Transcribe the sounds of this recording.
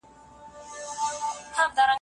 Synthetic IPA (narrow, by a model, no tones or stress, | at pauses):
hamd̪aɾa